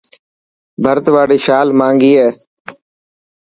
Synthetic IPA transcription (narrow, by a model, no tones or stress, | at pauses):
bʱəɾt̪ʋaːɽiːʃaːlmãːŋɡiːɦɛː